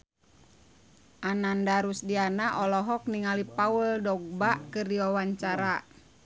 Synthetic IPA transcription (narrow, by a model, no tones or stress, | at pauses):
ʔanandaɾusdianaʔɔlɔɦɔk̚niŋalipawəldɔɡ̚baʔkɨrdiwawaɲt͡ʃaɾa